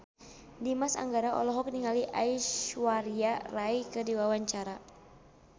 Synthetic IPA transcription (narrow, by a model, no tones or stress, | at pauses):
dimasa̰ŋɡaɾaʔɔ̰lɔɦɔk̚niŋaliʔa̰iʃwaɾiarajkədiwawaɲt͡ʃaɾa